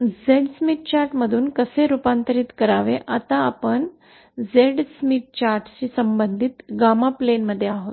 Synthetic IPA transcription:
d͡zeɽsmiʈ̚t͡ɕaɾʈməd̪ʱuːnkəseɾupant̪əɾiːt̪kəɾaʋeʔat̪aːpəɳ | d͡zeɽsmiʈ̚t͡ɕaɾʈt͡ɕiːsəmbənd̪ʱiːt̪ɡamaplenməd̪ʱːjeaɦot̪

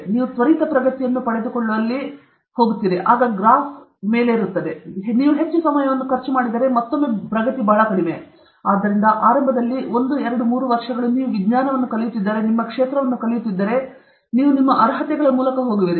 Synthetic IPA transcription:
niːʋusʋɐɾiːt̪ɐpɾɐɡɐt̪ijɐnːupɐɭed̪ukoɭːuɐlːi | ho̞ːɡut̪ːid̪eʔaːɡɐɡɾaːsme̞ːle̞iɾut̪ːɐd̪e̞niːʋuɦe̞t͡ʃːusɐmɐjɐʋɐnːukʰɐɾt͡ʃumaːɽid̪ɐɾe̞mɐt̪ːomːupɾɐɡɐt̪ibɐːɭɐkɐɽime | aːd̪ːɐɾind̪ɐʔaːɾɐmbʱɐd̪ɐlːio̞nd̪uɛɾɐɽumuːɾuʋɐɾʂɐɡɐɭuniːʋuʋiɡɲaːnɐʋɐnːukɐlɐjut̪ːid̪ːɐɾe̞nimːɐkʂeːt̪ɾɐʋɐnːukɐljut̪ːid̪ːɐɾe̞ | niːʋunimːɐʔɐɾɦɐt̪ɛɡɐɭɐmuːlɐkɐɦoːɡiʋiɾi

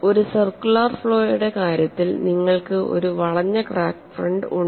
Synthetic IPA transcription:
o̞ɾusɐrkːuɭaːrfɭo̞ːjuɽe̞kaːɾjɐt̪ːilniŋːɐɭkɨʔo̞̰ɾuʋɐɭɐɲːɐkraːkfrɐɳɖuɳ

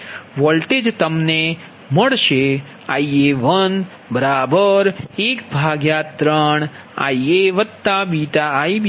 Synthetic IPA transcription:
ʋɔlʈed͡ʒt̪əmne | məɭʃe | aieʋən | bəɾabəɾekbʱaɡjat̪ɾəɳ | a̰ieʋət̪ːabit̪aːib

